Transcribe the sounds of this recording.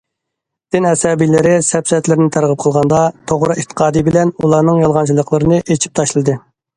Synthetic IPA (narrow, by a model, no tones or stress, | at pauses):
d̪̥ɪnɛsɑːbilɪɾɪsɛpsɛt̪lɪɾɪnɪt̪ʰæɾʁəp̚qʰəlˠʁɑnd̪ɑt̪ʰoʁɾɨet̪ʰːə̥qʰɑːd̪ɨbɪlɛnulˠɑɾnɨŋjɑlˠʁɑnt͡ʃʰilˠəqlˠɨɾɨnɨʔet͡ʃʰi̥p̚t̪ʰɑʃlˠɨd̪ɨ